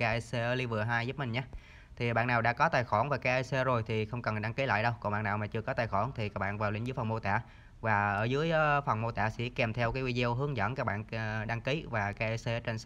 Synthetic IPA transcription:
ka˧˦ʔa˧se˧ʔəː˧li˧vɨ˨˩əɦaː˧jzu˦˥p̚mï˨˩ŋ̟ɲaː˨˦ | t̪ʰi˨˩˨ɓa̰ː˧˨nːaː˨˩wɗa̰ː˧˥kɔ˨˦t̪aː˨˩jxɔ˧˩nvaː˨˩kaː˧˦˥ʔa˧se˧zo˨˩jt̪ʰi˨˩xə˧wŋ͡mkə˨˩nɗa˧ŋki˨˦la̰ː˧˨jɗə˧wkɔ˨˩ŋ͡mɓa̰˧˨naː˨˩wmaː˨˩t͡ɕɨ˧əkɔ˨˦t̪aː˨˩jxɔ˧˩nt̪ʰi˨˩kaː˦˥k̚ɓa̰ː˧˨nvaː˨˩wlë˧˩ŋzɨ˨˦jfɔ˨˩ŋ͡mmo˧t̪a̰ː˧˨ | vaː˨˩ʔəː˧˩zɨ˨˦əjʔfə˨˩ŋ͡mmo˧t̪a̰ː˧˨sḭ˧˥kɛ˨˩mt̪ʰɛ˧wkaː˨˦jwi˧zə˧wɦɨ˨˦əŋzə̰˧˥nkaː˦˥k̚ɓa̰ː˧˨nɗa˧ŋki˨˦vaː˨˩kaː˨˦jʔse˧ʔːt͡ɕə˧ns

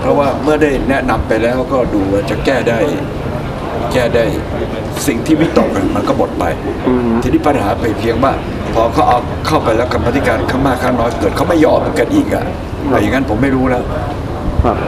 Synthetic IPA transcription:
pʰɾɔ˦˥waː˥˩mɯ˥˩ɐdaː˥˩jnɛ˦˥na˧mpa˧jlɛː˦˥wkɔː˥˩duː˧waː˧˥˩t͡ɕa˨˩kɛː˥˩daː˥˩j | kɛː˥˩daː˥˩j | si˨˩ŋt̪ʰiː˥˩wi˦˥t̪o˨˩k̚na˧˩ma˧nkɔː˥˩mo˨˩t̪̚pa̰˧j | t̪ʰiː˧˦ni˥˩pa˧nhaː˩˦pa˧˩jpʰi˦˥əŋwaː˥˩ | pʰɔː˧kʰa˦˥wʔa˧w | kʰa˥˩wpa˧jlɛː˦˥˩wka˧mpʰa˧˦˥t̪ʰi˦˩kaː˧nkʰaː˥˩ŋmaː˥˩kʰːa˥˩ŋnɔː˦˥˩kɤː˨˩t̪̚kʰa˦˥wma˥˩jːɔː˧mːɯ˩˦nka˧nʔiː˨˩k̚a̰˧˩ | ɛ˧˩ja˨˩ŋːa˦˥npʰo˩˦mːa˥˩jɾuː˦˥lɛː˦˥w

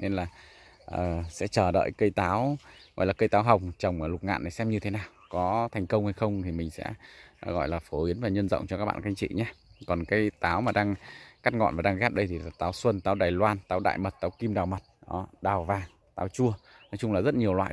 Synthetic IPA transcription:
ne˧nlaː˨˩ | ʔəː˨˩sɛ̰˧˥t͡ɕəː˨˩ɗə̰ː˧˨jkə˧jt̪aː˨˦wɣɔ̰˧˨jlaː˨˩kə˧jt̪aː˨˦wɦa˨˩wŋ͡mt͡ɕə˨˩wŋ͡mlʊ˨˩k͡p̚ŋa̰ː˧˨nːə˨˩sɛ˧mɲɨ˧t̪ʰe˨˦naː˨˩wkɔ˨˦t̪ʰɛ˨˩ŋ̟kə˧wŋ͡mha˧jxə˧wŋ͡mt̪ʰi˨˩mï˨˩ŋ̟sɛ̰˧˥ɣɔ̰˧˨jlaː˨˩fo˨˦ɓi˨˦ənvaː˨˩ɲə˧nzə̰˧˨wŋ͡mt͡ɕɔ˧kaː˦˥k̚ɓa̰ː˧˨˧ka˧ŋ̟t͡ɕḭ˧˨ɲaː˧kɔ˨˩nkaː˨˦jt̪aː˨˦wmaː˨˩ɗaː˧ŋka˦˥k̚ŋɔ̰˧˨nvaː˨˩ɗaː˧ŋɣɛ˦˥p̚ɗə˧jt̪ʰi˨˩laː˨˩t̪aː˨˦wswə˧nt̪aː˨˦wɗaː˨˩jlwaː˧nt̪aː˨˦wɗa̰ː˧˨jmə˨˩t̚t̪aː˨˦wki˧mɗaː˨˩wmə˨˩t̚ɗɔ˨˦ɗaː˨˩wvaː˨˩ŋ | t̪aː˨˦wt͡ɕu˧ə | nɔ˨˦jt͡ɕʊ˧ŋ͡mlaː˨˩zə˦˥t̚ɲi˨˩əwlwa̰ː˧˨

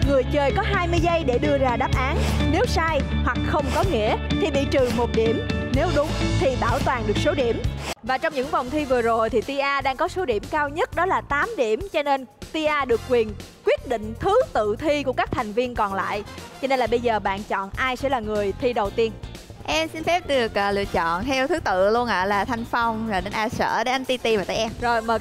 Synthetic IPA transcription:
ŋɨ˨˩əjt͡ɕəː˨˩jkɔ˨˦ɦaː˧jmɨ˧əjzə˧jɗe˧˩ɗɨ˧əzaː˧˩ɗaː˦˥p̚ʔaː˨˦nne˨˦wsaː˧jhwa˨˩k̚xə˧wŋ͡mkɔ˨˦ŋḭ˧˥ət̪ʰi˨˩ɓḭ˧˨t͡ɕɨ˨˩mo˨˩t̚ɗi˧˩əmne˨˦wɗʊ˨˦ŋ͡mt̪ʰi˨˩ɓaː˧˩wt̪waː˨˩nɗɨ˨˩ək̚so˨˦ɗi˧˩əmvaː˨˩t͡ɕɔ˧wŋ͡mɲɨ̰˧˥ŋva˨˩wŋ͡mt̪ʰi˧vɨ˨˩əzo˨˩jt̪ʰi˨˩t̪i˧ʔaː˧ɗaː˧ŋkɔ˨˦so˨˦ɗi˧˩əmkaː˧wɲə˦˥t̚ɗɔ˨˦laː˨˩t̪aː˨˦mɗi˧˩əmt͡ɕɔ˧ne˧nt̪i˧ʔaː˧ɗɨ˨˩əkːwi˨˩ən | kwi˦˥ət̚ɗḭ̈˧˨ŋ̟t̪ʰɨ˨˦t̪ɨ̰˧˨t̪ʰi˧ku˧˩əka˦˥k̚t̪ʰa˨˩jŋ̟vi˧ənkɔ˨˩nla̰ː˧˨jt͡ɕɔ˧ne˧nlaː˨˩ɓə˧jzəː˨˩ɓa̰ː˧˨nt͡ɕɔ̰˧˨nʔaː˧jsɛ̰˧˥laː˨˩ŋɨ˨˩əjt̪ʰi˧ɗə˨˩wt̪i˧ən | ʔɛ˧msi˧nfɛ˦˥p̚ɗɨ˨˩ək̚ʔlɨ̰˧˨ət͡ɕɔ̰˧˨nt̪ʰɛ˧wt̪ʰɨ˨˦t̪ɨ̰˧˨lu˧ənʔa̰ː˧˨laː˨˩t̪ʰa˨jŋ̟fa˧wŋ͡mzaː˨˩ɗe˨˦nʔaː˧sə̰ː˧˥ɗe˨˦ʔa˧nt̪i˧t̪i˧vaː˨˩t̪aː˧˩jʔɛ˧mzo˨˩jməː˨˩

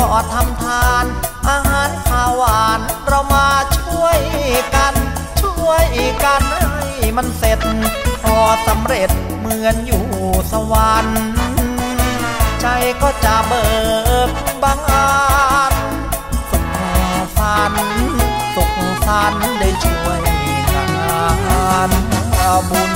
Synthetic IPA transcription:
kɔː˧˨˩t̪ʰa˧mt̪ʰaː˧nʔaː˧ɦaː˨˦nsʰaː˧waː˨˩nɾa˧wmaː˧t͡ɕʰu˥˩əjka˧n | t͡ɕʰu˥˩əjka˧na˧˩jma˧nse˨˩t̪̚pʰɔː˧sa˨˦mɾe˨˩t̪̚ | mɯ˧ənjuː˨˩sa˧wa˧n˧ | t͡ɕʰa˧jkɔː˥˩t͡ɕa˧˩ʔbɤː˨˧˩t̪̚baː˧ŋʔaː˧n | so˨˩k̚ːsa˧n | so˨˩k̚ːsa˧nda˧˩jt͡ɕʰu˧˩əj | ta˧˩ŋʔa˧ʔaː˧nʔaː˧bo˧˩m

